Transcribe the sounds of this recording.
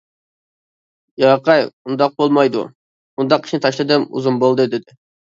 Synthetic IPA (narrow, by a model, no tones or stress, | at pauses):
jɑqɑjund̪ɑq̚bolˠmɑjd̪ṵ | und̪ɑqʰi̥ʃnɪt̪ʰɑʃlˠɨd̪ɨmṵzunbolˠd̪ɨd̪ɪd̪ɪ